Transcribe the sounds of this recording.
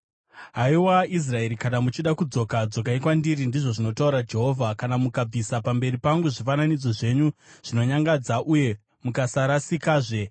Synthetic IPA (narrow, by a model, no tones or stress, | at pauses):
ɦaiwais̬rae̞ɾikaɗamut͡ʃiɗakud͡zo̞kad͡zo̞kaikwandiɾindiʐo̞ʐino̞tauɾad͡ʒe̞ɦo̞vʱakanamukab͡visapambe̞ripaŋɡuʐifananid͡zo̞ʐe̞ɲuʐ̥ino̞ɲaŋɡad͡zaʔuje̞ | mukasaɾasikaːʐe̞